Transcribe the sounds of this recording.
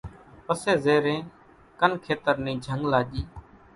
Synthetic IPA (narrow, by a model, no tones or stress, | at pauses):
pəseːzeːɾẽː | kənkʰeːt̪əɾnĩːd͡ʒʱəŋɡlaːʄiː